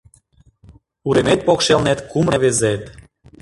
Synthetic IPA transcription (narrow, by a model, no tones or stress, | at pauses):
uɾemet̪̚pokʃelnet̪kumreβezet̪